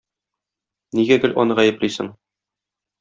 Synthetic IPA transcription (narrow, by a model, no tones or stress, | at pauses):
niɡæɡɘ̆lʔɒnɤʁæjɘ̆plisɘ̰ŋ